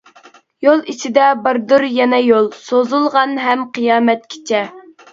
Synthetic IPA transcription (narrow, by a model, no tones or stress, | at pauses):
jolˠit͡ʃʰid̪ɛbəɾd̪uɾjɛnɛjolˠsozulˠʁɑnɦɛmqʰɨjɑːmɛt̪̚kʲʰe̥t͡ʃʰɛ